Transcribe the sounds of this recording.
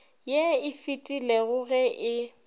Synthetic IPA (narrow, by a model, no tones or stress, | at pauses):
jeɪfitʼilɛɣʊɣɛʔɪ